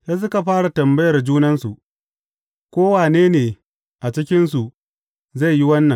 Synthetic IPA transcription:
ja˦s̬ʊ˦ka˨ɸaː˦ɽa˨tɐ˨mbɐ˦jɐ˨rd͡ʒuː˦nɐ˦nsu˨ʔ | kʷoː˦waː˨neː˦neː˨ | ʔa˨t͡ʃɪ˦kʲɪ˦nsu˨ | za˦˨jji˦wɐ˦nːɐ˨ŋ

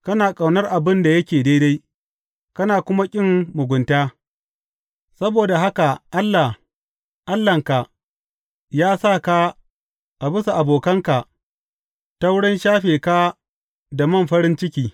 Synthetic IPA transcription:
kɐ˦naː˨kʼɐ˨wnɐ˦rʔa˨bɪ˦nda˨jɐ˦kʲeː˨deː˦da˦j | kɐ˦naː˨kʷʊ˦ma˦kʲʼɪ˦mːʊ˨ɡʷʊ˨ntaː˦ | sɐ˦boː˨da˨ɦa˦ka˨ʔa˦lːa˨h | ʔa˦lːɐ˨ŋka˨ | jaː˦sa˦˨ka˦ | ʔa˨bɪ˦su˨ʔa˨boː˨kɐ˦ŋka˨ | ta˦wɽɪ˦nʃaː˦ɸeː˨ka˦ | da˨mɐ˦˨mɸɐ˦ɾɪ˦nt͡ʃɪ˦kʲiː˨

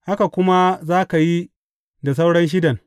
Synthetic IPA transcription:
ha˦ka˨kʷʊ˦ma˦zaː˦ka˨ji˦ | da˨s̬a˦wɽɐ˦nʃ̬ɪ˦dɐ˨ŋ

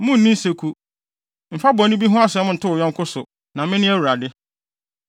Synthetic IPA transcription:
mʊ̃˦n̩˨nĩ˦se˨kʰu˨ | m̩˨fa˦bɔ̃˨nɪ̃˦bi˦ɦʊ̃˦a˦sɛ˨˦mʊ̃˦n̩˨tʰʊ˦ʊ˨ɔ̃˦ŋ˦kʰʊ˦sʊ˨ | nã˨mɪ̃˦nɪ̃˦æ˦wu˨ɾa˨dɪ˦

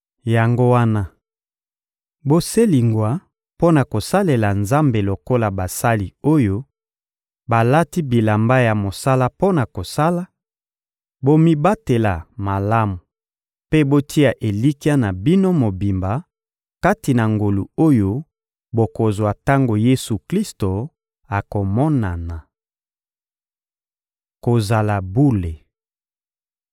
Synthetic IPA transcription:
ja˨ŋɡo˦wa˦na˦ | bo˦se˦li˨ŋɡwa˨ | po˦na˨ko˨sa˦le˨la˨nza˦mbe˨lo˨ko˦la˨ba˨sa˦li˨o˦jo˦ | ba˨la˦ti˦bi˨la˨mba˦ja˨mo˨sa˦la˦po˦na˨ko˨sa˦la˦ | bo˦mi˦ba˦te˨la˨ma˨la˦mu˨ | pe˦bo˦tʰi˦a˨ʔe˨li˦ki˦a˦na˨bi˦no˦mo˨bi˨mba˨ | ka˦ti˨na˨ŋɡo˨lu˨o˦jo˦ | bo˨ko˨zo˨a˨ta˦ŋɡo˨je˦su˨kli˦sto˨ | a˨ko˨mɔ˦na˨na˨ | ko˨za˨la˨bu˦le˨

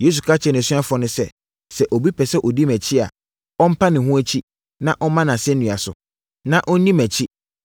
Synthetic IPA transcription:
jeː˦s̬u˨kʰa˦t͡ɕʰɛ˨ñ˨si˦a˦fʊ˨ɔ˨nʊ̃˦sɛ˦ | sɛ˨ʔɔ˨bi˦pʰɛ˨sɛ˦ʔɔ˨di˦mæ̃˨t͡ɕʰɪ˦a̰˨ | ɔ˦m̩˦pʰa˦nɪ̃˨hũ˦æ˦t͡ɕʰi˦ | nã˦ʔɔ˦mã˦nã˨sɛ˦n̩ː˦nũ˨a˨sʊ̰˨ | nã˦ʔɔ˦n˦nĩ˦mæ˨t͡ɕʰi˦

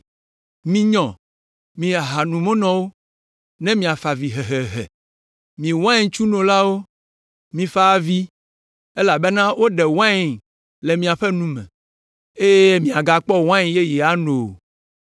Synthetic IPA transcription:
mĩ˦ɲɔ̃˨ | mĩ˨a˨ɦa˨nũ˨mõ˦nɔ̃˦wo˦ | nɛ̃˦mĩ˨a˨fa˨vi˨ɦɛ˨ɦe˨ɦɛ̰˨ | mĩ˨wã˦i˦t͡ʃu˦nõ˨la˦wo˦ | mĩ˨fa˦a˦˨vi˦ | e˦la˨be˦nã˦wo˦ɖɛ˨wã˦i˨ŋ | lɛ˨mĩ˨a˨ɸɛ˦nũ˦mɛ̰̃˨ | e˦je˦mĩ˨a˨ɡa˨k͡pɔ˦wã˦ĩ˨je˦jɛ˨a˦no˨

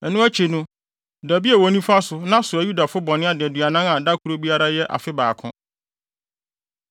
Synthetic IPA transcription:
ɛ˨nũ˦æ˦t͡ɕʰe˨nũ˦ | dæ˨bi˦a˨wɔ˨nĩ˦fa˦sʊ˨nã˦sʊ˨æ˨ju˦da˨fʊ˦bɔ̃˨nɪ̃˦a˦dɪ˨ɛ˨dɥa˨nã˦ŋã˨da˦kʰu˨ɾo˦bi˦a˦ɾa˦jɛ˦ʔa̰˨fɪ˦baː˨kʰʊ̰̃˦

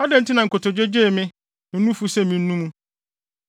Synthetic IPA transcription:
ɔ˦dɛ˨n̩˦tɪ˦nã˨ŋ̩˨ko˨to˨d͡ʑe˦d͡ʑe˦˨mɪ̃˦ | mɪ̃˦ũ˦fu˦sɛ˦˨mĩ˨n̩˦nũ˦mũ˦

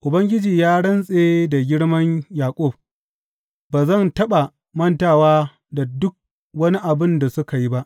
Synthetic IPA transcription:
ʔʊ˨bɐ˦ŋɡʲɪ˦d͡ʒiː˨jaː˦ɽɐ˦nsʼeː˦da˨ɡʲɪ˦ɽmɐ˦ɲjaː˨kʷʼʊ˦˨b | baː˨zɐ˦˨ntɐ˦ɓa˨ | mɐ˦˨ntaː˨waː˦ | da˨dʊ˦k̚ | wɐ˦ni˦ʔa˨bɪ˦nda˨sʊ˦ka˨ji˦ba˦ʔ

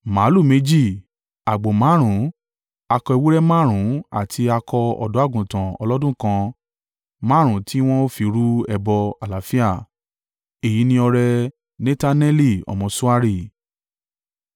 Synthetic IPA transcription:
ma˨˦lu˦˨me˨˧d͡ʒi˦˨ | a˨ɡ͡bo˨mãː˨˦ɾ̃ũ˨˦ | a˧kɔ˧i˧wu˦ɾɛ˦mãː˦˨ɾ̃ũ˨˦a̰˦˨tʰi˧a˧kɔ˧ɔ̰˧˨dɔ˨˦a˦˨ɡũ˨tã˨ɔ̰˧lɔ˦dũ˦kã˧ | mã˦ɾ̃ũ˨˦ti˦w̃ɔ̃˦o˦fi˧ɾu˦ɛ˧bɔ˧a˨la˨˦fi˦a˦˨ | e˨ji˨˦nĩ˧ɔ˧ɾɛ˧ | nɛ˦ta˦nɛ˦li˦˨ɔ̰˧˨mɔ̃˧sũ˦a˦ɾi˦˨

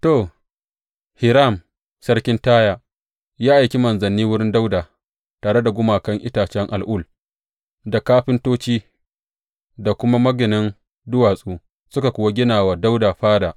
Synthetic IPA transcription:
toː˨ | hɪ˨ɾa˦˨m | sɐ˦rkʲɪ˦ntaː˦jaː˨ | jaː˦ʔa˨jkʲi˦mɐ˨nzɐ˨nːiː˦wʊ˦ɽɪ˦nda˦wdaː˨ | taː˨ɽe˦da˨ɡʷʊ˦maː˨kɐ˦ŋʔɪ˦taː˨t͡ʃɛ˦ŋʔa̰˨lʔʊ˦˨l | da˨kaː˦ɸɪ˦ntoː˦t͡ʃiː˦ | da˨kʷʊ˦ma˦mɐ˦ɡɪ˨nɪ˦n | dʊ˦waː˨sʼuː˦ | sʊ˦ka˨kʷʊ˨wa˦ɡʲɪ˦naː˨waː˨da˦wdaː˨ɸaː˦daː˨

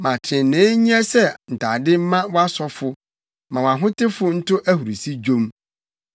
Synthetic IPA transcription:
mã˨tʰɪ̃˨nːɪ̃˨˦ɲ˦ɛ̃˦sɛ˦n̩˨tʰa˨dɪ˦m̩˦mã˦wa˦sɔ˦fʊ˦ | mã˨wa˨ɦʊ̃˦tʰɪ˦fʊ˦n̩˦tʊ˦ʔæ˦hu˨ɾi˨si˦d͡ʑõ˦m

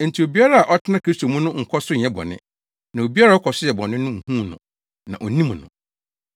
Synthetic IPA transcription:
n̩˨tʰi˨o˨bi˦a˦ɾa˦a˨ʔɔ˦tʰɪ˦nã˦kʰi˦sto˨mũ˦nʊ̃˦ŋ̩˨kʰɔ˦sʊ˦ɲ̩˨ɛ̃˦bɔ̰˨nɪ̰̃˦ | nã˨o˨bi˦a˦ɾa˦ɔ˦kʰɔ˨sʊ˦jɛ˨bɔ˨nɪ̃˦nʊ̃˦ŋ̩˨hũ˦nʊ̰̃˨ | nã̰˨ʔo˨nĩ˦m˨nʊ̰̃˨

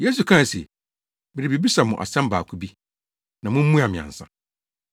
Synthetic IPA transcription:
je˦s̬u˨kʰã˦˨sḭ˨ | bɪ˨ɾɪ˨bi˨bi˦sa˨mʊ̃˨ʔa̰˨sɛ̃˦m˦baː˨kʰu˦bi˦ | nã˨mʊ̃˦m̩˦mũ˦a˨mɪ̃˨ã̰˨n̩˨sã̰˨

